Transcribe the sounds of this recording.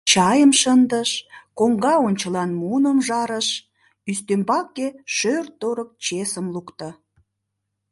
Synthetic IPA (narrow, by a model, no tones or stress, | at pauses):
t͡ɕɑjəmʃənd̪əʃkoŋɡɑonʲt͡ɕəlɑnmunəmʒɑɾəʃ | yst̪ømbɑkːeʃørt̪ːoɾək̚t͡ɕesəmlukt̪ə̆